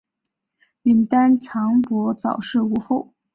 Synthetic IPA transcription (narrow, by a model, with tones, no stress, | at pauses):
mi˧˥nt̪a˥nʈ͡ʂʰɑ˧˥ŋpwɔ˧˥t͡sɑ˨˩ʊʂɻ̩˥˩u˧˥xo˥˩ʊ